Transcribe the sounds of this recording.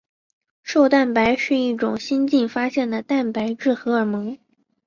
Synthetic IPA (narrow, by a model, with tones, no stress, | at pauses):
ʂo˥˧ʊt̪a˥˩npa˧˥ɪʂɻ̩˥˧i˥˩ʈ͡ʂʊ˨˩ŋɕi˥nt͡ɕi˥˩nfa˥ɕjɛ˥˩nd̪ə˩t̪a˥˩npa˧˥ɪʈ͡ʂɻ̩˥˩xɤ˧˥ə˞˨˩˥mɤ˧˥ŋ